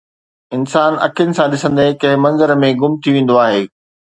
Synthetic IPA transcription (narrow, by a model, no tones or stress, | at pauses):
ɪnsaːnɐ̰kʰijnɪ̆sãɗɪsə̃nd̪ekɐ̃ɦɪ̃mɐ̃nzəɾmẽɡʊmt̪ʰiʋẽːnd̪oaːɦeː